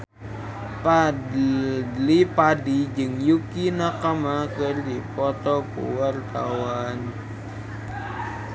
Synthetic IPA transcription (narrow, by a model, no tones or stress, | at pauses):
pa | lipadid͡ʒɨŋjukinakamakərdipɔt̪ɔkṵwart̪awan